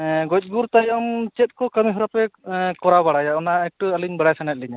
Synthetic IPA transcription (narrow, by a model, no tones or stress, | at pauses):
ɡɔc̚ˀɡuɾt̪ajɔmt͡ʃɛt̪̚ˀkɔkəmiɦɔɾapɛkɔɾabaɽajaɔnaɛk̚ʈɔəliɲbəɽajsanɛt̚liɲa